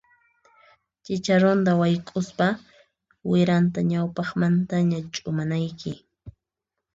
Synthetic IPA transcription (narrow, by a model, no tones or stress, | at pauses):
t͡ʃɪt͡ʃaɾʊnd̪awajkʼʊspa | wɪɾant̪aɲawpɑχmant̪aɲat͡ʃʼʊmanajkɪ